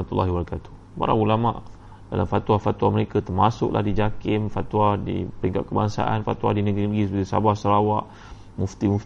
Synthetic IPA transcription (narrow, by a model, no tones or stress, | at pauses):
at̪ulːaɦibaɾakat̪u̥h | pa̰ɾa̰ŋulama̰ʔ | dalamfat̪wahfat̪waməɾekat̪ərmasʊ̰ʔlʔa̰hdid͡ʒakɪmfat̪wadḭpəɾiŋkat̪̚kəbaŋsa̰ʔa̰nfat̪wa̰dinəɡɾinəɡɾisəpət̪isa̰bahsəɾawaʔ | muft̪imuf